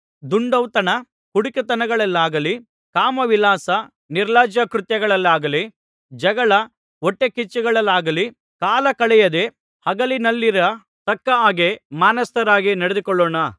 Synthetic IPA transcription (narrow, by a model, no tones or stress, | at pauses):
d̪uɳɖɐwt̪ɐnɐ | kuɽukɐt̪ɐnɐɡɐɭɐlːaːɡɐli | kaːmɐʋilaːsɐ | niɾlaːd͡ʒɐkɾut̪jɐɡɐɭɐlːaːɡɐli | d͡ʒɐɡɐɭɐ | ɔʈːekit͡ʃːɛɡɐɭɐlːaːɡɐli | kaːlɐkɐɭɛjɐd̪e̞ | hɐɡɐlinɐlːiɾɐ | t̪ɐkːɐaːɡemaːnɐst̪ɐɾaːɡinɐɽed̪ukɔɭːoːɳɐ